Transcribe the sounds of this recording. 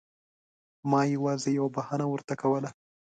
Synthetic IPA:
mɑjawɑzejawabahɑnawəɾt̪akawəla

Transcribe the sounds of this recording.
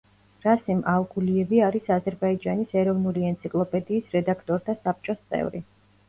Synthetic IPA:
ɾasimalɡuliɛviaɾisazɛɾbaid͡ʒanisɛɾɔvnuliɛnt̪sʰikʼlˠɔpʼɛd̪iːsɾɛd̪akʰt̪ʼɔɾt̪ʰasap̚ʰt͡ʃʼɔst̪sʼɛ̰vɾi

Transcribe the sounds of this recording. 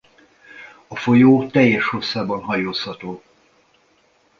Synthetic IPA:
ɒfo̞joːt̪ɛjːɛʃho̞sːaːbɒnɦɒjoːshɒt̪oː

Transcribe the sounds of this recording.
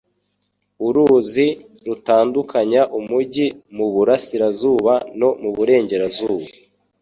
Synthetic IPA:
uɾuːzi | ɾutaːndukʰaɲaʔumuɟimuβuɾasiɾazuːβano̞muβuɾe̞ːɲɟe̞ɾazuːβa

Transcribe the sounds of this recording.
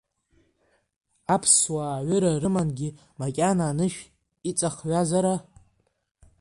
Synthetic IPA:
apʰswaɥʏɾarɨmanɡʲɪ | makʲʼanaːnɨʃᶣ | it͡sʼaχɥazaɾa

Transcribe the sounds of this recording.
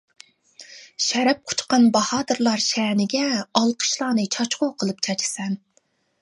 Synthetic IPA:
ʃɛɾɛp̚qʰʊ̥t͡ʃqɑnbɑhɑːt̪ɨɾlˠɑɾʃɛːnɪɡʲɛɑlˠqʰə̥ʃlˠɑːnɨt͡ʃʰɑt͡ʃqoqʰəlˠɨp̚t͡ʃʰɑt͡ʃʰɪ̥sɛn

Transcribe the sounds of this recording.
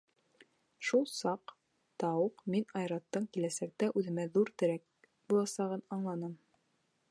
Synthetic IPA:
ʃulˠsɑq | t̪ɑwɤqminɑjɾɑt̪ːɤɴkilæsæk̚t̪æʔʉðɘ̆mæðuɾt̪ɘ̆ɾæk̚ | bulˠɑsɑʁɤnɑɴlˠɑnɤm

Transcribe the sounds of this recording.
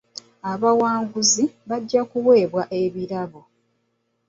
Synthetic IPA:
aβawaːŋɡuziβaɟːakuwe̞ːβwaʔe̞βiɾaβo

